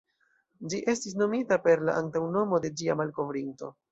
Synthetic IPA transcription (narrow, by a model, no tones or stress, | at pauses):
d͡ʒiʔe̞stis̬no̞mitape̞ɾla̰ʔantawno̞mo̞de̞d͡ʒiamalko̞vɾinto̞̰